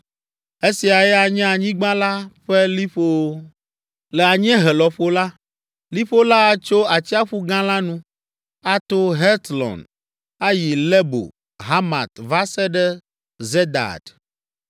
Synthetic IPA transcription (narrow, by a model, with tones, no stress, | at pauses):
e˦si˨a˨jɛ˦a˨ɲɛ̃˦a˨ɲĩ˦ɡ͡bã˦la˦ɸe˦li˦ɸo˦wo˦ | lɛ˨a˨ɲ˦ɛ̃˦ɦɛ˨lɔ˨ɸo˦la˦ | li˦ɸo˦la˦˨t͡ʃo˦a˨t͡ɕi˦a˦ɸu˦ɡã˦la˦nũ˦ | a˦t̪o˦ɦɛ˦t̪lɔ̰̃˨n | a˦ji˨lɛ˦bo̰˨ | ɦa˦ma̰˨t̪va˦sɛ˦ɖɛ˦ | ze˦d̪a̰˨d